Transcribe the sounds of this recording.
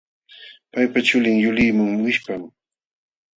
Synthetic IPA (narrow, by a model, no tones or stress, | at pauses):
pajpat͡ʃʊlɪŋjʊlɪmaŋwɪʃpam